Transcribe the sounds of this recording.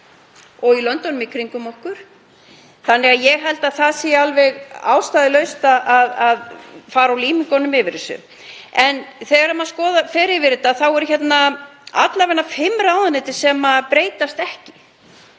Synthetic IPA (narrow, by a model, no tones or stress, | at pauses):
ɔɣilœnt̪ɔnːmɪkʰɾiŋkʏmɔhkʏɾ̥ | θanːɛɣaðjɛɣɦɛlt̪aðθaðsijaalvɛɣa̰ːwst̪aːðɪlœɥst̪aʔaðaðfaːɾawliːmɪkɔnʏmɪvɪɾɪsʏ̰ | ɛnθɛːɣaɾamaðskɔːðafɛːɾɪvɪɾɪt̪aθawɛɾ̥çɛt̪naa̰t̪lavɛnːafɪmɾawðanɪːt̪ɪ̥sɛmapɾeːjt̪ast̪ɛhcɪ̥